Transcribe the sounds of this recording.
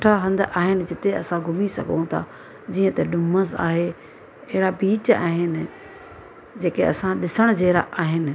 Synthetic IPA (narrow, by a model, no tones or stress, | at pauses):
ʈʰaɦɐ̃nd̪ʔaːɦɪnɪ̆d͡ʑɪt̪eɐsãɡʱʊmisɐ̰ɡʱõ̰t̪ʰa̰ | d͡ʑiːə̃t̪ɐɗʊməsa̰ːɦe | ɐɦɪɾabiːt͡ɕa̰ːɦɪnɪ̆ | d͡ʑeːkeɐ̰sãɗɪsəɽ̃d͡ʑeːɾa̰ʔaːɦɪnɪ̆